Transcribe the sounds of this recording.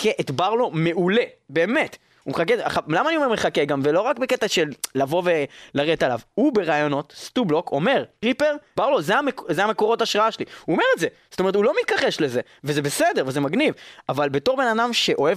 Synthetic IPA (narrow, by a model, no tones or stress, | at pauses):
kʰeʔetbaʁlo̞me̞ʔule̞be̞ːme̞t | umeχak̬ea̰χalamaːnioe̞ʁmeχakeɡamvelo̞ʁakbeketaʃelːavo̞velaʁetala̰vhube̞ʁaːjo̞no̞tstublo̞kʰo̞̰me̞ʁʁipe̞ʁbaʁlo̞zeamekzeame̞ko̞ʁo̞taːʃʁaaʃeliuome̞ʁetzezo̥tomeetulo̞mit̪̚kaχeʃle̞ze | vezebesede̞ʁvezemaɡnivavalbe̞to̞ʁbe̞nadamʃe̞ʔo̞ev